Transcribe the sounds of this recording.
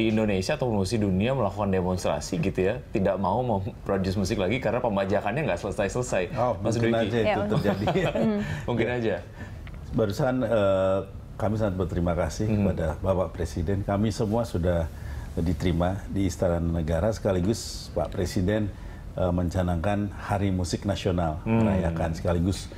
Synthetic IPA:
diːndonesiaːt̪awpʊnmusiduniaməlakukandemonst̪ɾa̰siɡit̪ujat̪idaʔmauməmpɾodusmusɪklaɡikaɾənapəmbad͡ʒakanɲaŋɡaʔsələsajsələsajommas̬duinaid͡ʒait̪ut̪ərd͡ʒadi | muŋkɪnad͡ʒa | baɾusaanə | kamisaŋat̪̚bərt̪əɾimakasɪhkəpadabapaʔpɾesidɛnkamisəmuasudahdit̪əɾimadiːst̪aɾanːəɡaɾasə̥kaliɡʊspa̰ʔpɾesidɛn | əməɲt͡ʃanaŋkanhaɾimusɪk̚nasionalməɾajakansə̥kaliɡʊs

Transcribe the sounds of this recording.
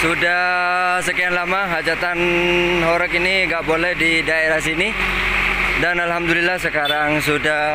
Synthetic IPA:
sudasəkianlamaɦad͡ʒat̪anɦoɾək̬iniŋɡaʔbolɛhdidaeɾahs̬ini | danalɦamdulilːahsəkaɾaŋsuda

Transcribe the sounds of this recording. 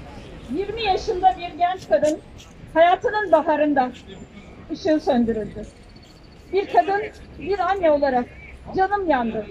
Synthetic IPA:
jiɾmijaʃɯnd̪abiɾɟɛnt͡ʃkʰad̪ɯn | hajaːt̪ʰɯnɯnbaɦaɾɯnd̪a | ɯʃɯsønd̪yɾylʲd̪ɪ | biɾkʰad̪ɯnbiɾanːjao̞lˠaɾak̚d͡ʒanɯmjand̪ɯ

